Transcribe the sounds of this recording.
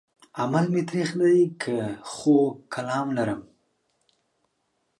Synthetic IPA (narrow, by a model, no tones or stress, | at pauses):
amalmet̪ɾexlaikʰəxokʰalɑmlaɾəm